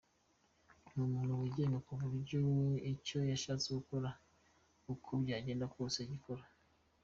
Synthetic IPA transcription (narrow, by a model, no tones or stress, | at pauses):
nuːmuːn̥huwiɟenakuvuɾɟuwico̞jaʃat͡seɡukoɾa | ukʰobɟaːɟeːndakoːseɟikoɾa